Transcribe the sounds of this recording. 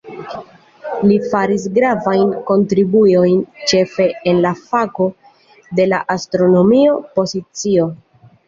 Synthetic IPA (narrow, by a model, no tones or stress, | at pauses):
lifaɾis̬ɡɾavajnko̞ntɾibujo̞jnt͡ʃe̞fe̞enlafako̞ | de̞laʔastɾo̞no̞mio̞po̞zit͡sio̞